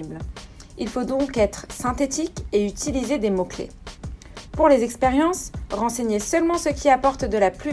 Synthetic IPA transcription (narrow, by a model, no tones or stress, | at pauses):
bl | ilfod̪ɔ̃kɛt̪χsɛ̃t̪et̪ikeyt̪ilized̪emoklḛ | puʁlezɛkspeʁjɑ̃sʁɑ̃seɲesœlmɑ̃səkʲiapɔʁt̪d̪əlaply